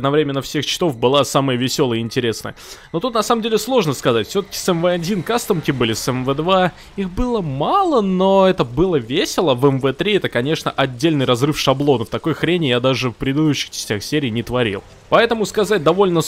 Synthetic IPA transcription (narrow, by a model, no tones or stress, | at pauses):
d̪nɐvɾʲemʲɪnːəfsʲext͡ɕɪ̥t̪o̞fbɨlˠasaməjəvʲɪsʲo̞lˠəjəɪnʲtʲɪɾʲe̞snə̰jəno̞t̪ut̪nɐsaməmdʲelʲɪslˠo̞ʐnəskɐzatʲfsʲo̞t̪ə̥kʲɪ̥sɛmvəɐdʲinkast̪əmkʲɪbɨlʲɪsɛmvɛd̪va | ixbɨlˠəmalˠəno̞ɛt̪əbɨlˠəvʲesʲɪlˠəvɛmvɛt̪ɾʲiɛt̪əkɐnʲe̞ʂnə̰ʔɐdʲːelʲnɨjrɐzrɨfʂɐblˠo̞nəft̪ɐkojxɾʲenʲɪjad̪aʐɨfpɾʲɪd̪ɪd̪uɕːɪ̥xt͡ɕɪ̥sʲtʲaxsʲeɾʲɪiːnʲɪt̪vɐɾʲḭlˠ | pɐɛt̪əmʊskɐzat̚ʲd̪ɐvo̞lʲnə